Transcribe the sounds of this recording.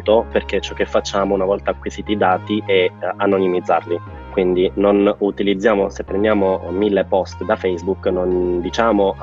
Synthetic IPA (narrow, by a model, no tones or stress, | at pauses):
t̪operk̟et͡ʃːɔk̟ːefːat͡ʃːaːmounavɔlt̪aːkːwiziːt̪id̪aːt̪iʔɛanonimid̪zːa̰rli | kwind̪inonut̪ilid̪zːjaːmosepːɾemjaːmomilːepɔst̪d̪afɛjzbuknond̪it͡ʃaːmo